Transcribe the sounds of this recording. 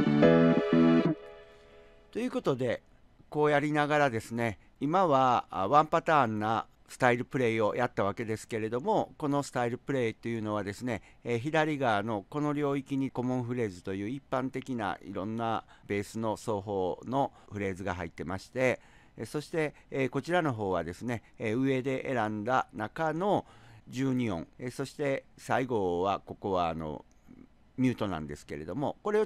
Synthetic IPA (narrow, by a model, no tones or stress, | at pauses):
t̪o̞jɯ̟ːko̞t̪o̞d̪e̞ | ko̞ːjaɾʲinaɡaɾad̪e̞sɨne̞ | imaβaβãmpat̪aːnːa | sɨ̥t̪aiɾɯ̟pɯ̟ɾe̞io̞jʔat̪ːaβ̞ake̞d̪e̞sɨ̥ke̞ɾe̞d̪o̞mo̞ko̞no̞sɨ̥t̪aiɾɯ̟pɯ̟ɾe̞ːit̪o̞jɯ̟ːno̞β̞ad̪e̞sɨne̞ | çid̪aɾʲiɡaːno̞ko̞no̞ɾʲo̞ːikʲiɲ̟iko̞mõ̞ɰ̃ɸɯ̟ɾe̞ːzɨt̪o̞jɯ̟ːipːãnt̪e̞kʲina̰ḭɾõ̞nːab̥e̞ːsɨno̞so̞ːɦo̞ːno̞ɸɯ̟ɾe̞ːzɨɡaɦait̪ːe̞maɕi̥t̪e̞ | so̞ɕi̥t̪e̞ | ko̞t͡ɕiɾano̞ɦo̞ːβad̪e̞sɨne̞ | ɯ̟e̞d̪e̞ʔeɾãnd̪anakano̞d͡ʑɨːɲ̟iõ̞ŋeso̞ɕi̥t̪e̞saiɡo̞βako̞ko̞βaːno̞̰ | mʲɨːt̪o̞nã̰nd̪e̞sɨ̥ke̞̰ɾe̞d̪o̞mo̞ko̞ɾe̞o